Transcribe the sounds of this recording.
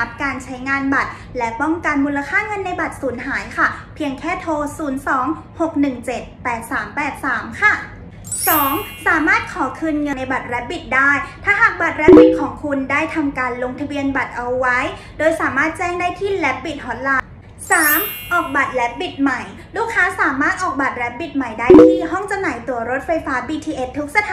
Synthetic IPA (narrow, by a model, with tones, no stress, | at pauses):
a˦˥p̚kaː˧nt͡ɕʰa˦˥jŋaː˧nba˨˩t̪̚ | lɛ˦˥pɔ˥˩ŋka˧nmuː˧la˧kʰaː˥˩ŋɤ˧nːa˧jba˨˩t̪̚suː˩˦nɦaː˩˦jkʰa˥˩pʰi˧əŋkʰɛː˥˩t̪ʰoː˧suː˩˦nsɔː˩˦ŋ | ho˨˩k̚nɯ˨˩ŋt͡ɕe˨˩t̪̚pɛː˨˩t̪̚saː˩˦mpɛː˨˩t̪̚saː˩˦mkʰa˥˩ | sɔː˩˦ŋsaː˨˩˦maː˥˩t̪̚kʰɔː˩˦kʰɯː˧nŋɤ˧na˧jba˨˩t̪̚ɾɛ˦˥p̚bi˨˩t̪̚daː˥˩jt̪ʰaː˥˩ɦa˨˩k̚ba˨˩t̪̚ɾɛ˦˥p̚bi˨˩t̪̚kʰɔː˩˦ŋkʰu˧ndaː˥˩jt̪ʰa˧mkaː˧nlo˧ŋt̪ʰa˧bi˧ənba˨˩t̪̚ʔa˧wːa˦˥j | doː˧jsaː˩˦maː˥˩t̪̚t͡ɕɛː˥˩ŋdaː˥˩jt̪ʰiː˥˩lɛ˦˥p̚bi˨˩t̪̚ʔɔː˧nlaː˧ | saː˩˦mʔɔː˨˩k̚ba˨˩t̪̚lɛ˦˥p̚bi˨˩t̪̚ma˨˩j | luː˥˩kʰːaː˦˥saː˩˦maː˥˩t̪̚ʔɔː˨˩k̚ba˨˩t̪̚lɛ˦˥p̚bi˨˩t̪̚ma˨˩jdaː˥˩jt̪ʰiː˥˩ɦɔ˥˩ŋt͡ɕa˧wnaː˩˦jt̪u˨˩ɐɾo˦˥t̪̚fa˧jfaː˦˥biː˧t̪ʰiː˧ʔe˦˥t̪ʰːu˦˥k̚sa˧t̪ʰa˨˦